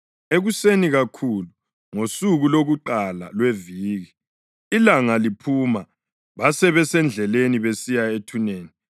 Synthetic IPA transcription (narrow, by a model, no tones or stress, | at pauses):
eɣuseniɣakʰulu | ŋosuɣuloɣuǃala̰lweviːɣiː | laŋalipʰuma | βasɛβɛsɛnd͡ɮʱɛleniβesijaetʰuneːni